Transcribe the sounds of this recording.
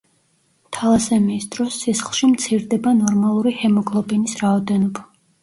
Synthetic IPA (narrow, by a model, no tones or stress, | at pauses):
t̪ʰalˠasɛmiːsd̪̥ɾɔsːisχlˠʃimt̪sʰiɾd̪ɛbanɔɾmalˠuɾihɛmɔɡʰlˠɔbɛnisɾaɔd̪ɛnɔba